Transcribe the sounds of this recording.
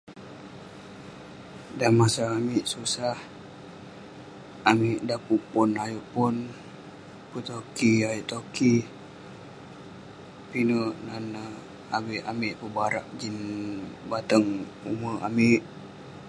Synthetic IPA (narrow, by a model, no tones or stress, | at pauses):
danmasaamiʔsusah | amɪʔdapuʔpunajuʔpun | pət̪okiajuʔt̪oki | pinəʔnan | abiʔamiʔpəbaɾa̰ʔd͡ʒinbat̪əŋ | ṵməa̰miʔ